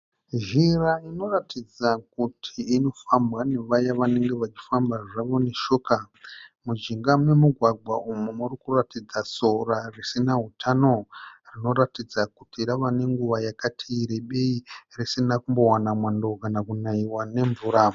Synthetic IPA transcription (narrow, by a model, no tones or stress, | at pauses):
ʒiraino̞ratid͡zakutʰiːno̞fambwane̞ʋajaʋane̞ŋɡe̞ʋat͡ʃi̥fambaʐaʋo̞ne̞ʃo̞ːka | mud͡ʒiŋɡamwe̞muɡʱwaɡʱwaumumurikuratid͡zaso̞rarisinaɦutʰano̞rino̞ɾatid͡zakutiɾaʋane̞ŋɡuʋajakatʰiɾeɓe̞irisinakumbo̞wanamwando̞kanakunaiwane̞ɱvuːɾa